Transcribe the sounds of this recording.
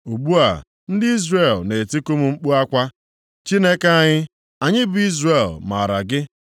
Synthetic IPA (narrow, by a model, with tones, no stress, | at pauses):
u˨ɡ͡bu˦a̰˨ | n̩˦dɪ˦i˦zre˦˨lne˨ti˦ku˦mu˨ŋ͡m̩˦k͡pu˦a˦kʷa˦ | t͡ʃi˦ne˦ke˦a˨ɲɪ˦ | a˨ɲɪ˦bʊ˨˦i˦zre˨lma̰˨ɾa̰˨ɡɪ˦